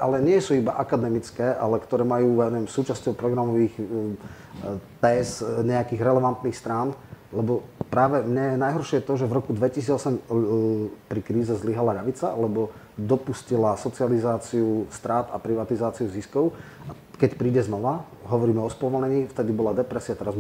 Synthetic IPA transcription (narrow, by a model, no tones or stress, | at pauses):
ʔa̰lɛɲɪɛsuibaʔakad̪ɛmit͡skɛːʔa̰lɛkt̪ɔɾɛːmajuːjɛnuʋɛmsuːt͡ʃascɔʊpɾɔɡɾamɔʋiːx | t̪ɛːsɲɛakiːɣɾɛlɛʋant̪niːxst̪ɾaːnlɛbɔpɾaːʋɛmɲɛjɛnajɦɔɾʃɪɛjɛt̪ɔʒɛvɾɔkud̪ʋɛcisiːd͡zɔsɛm | pɾikɾiːzɛzliɦalaʎaʋit͡salɛbɔ | d̪ɔpuscilasɔt͡sializaːt͡siust̪ɾaːt̪apɾiʋat̪izaːt͡siuziskɔʊ | ʔa | kɛcpɾiːɟɛznɔʋa | ɦɔʋɔɾiːmɛɔspɔʋɔlɲɛɲiːft̪ɛd̪ibɔlad̪ɛpɾɛsiat̪ɛɾaz